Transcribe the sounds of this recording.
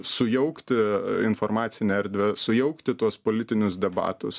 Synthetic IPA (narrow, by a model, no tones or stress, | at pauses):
sʊjɛʊkt̪ʲɪɪnfoɾmɑːt̪sʲɪnʲɛɛɾʲd̪ʲʋʲɛsʊjɛʊkt̪ʲɪt̪uɔspoːlʲɪt̪ʲɪnʲʊsd̪ʲɛbɑ̰ːt̪ʊs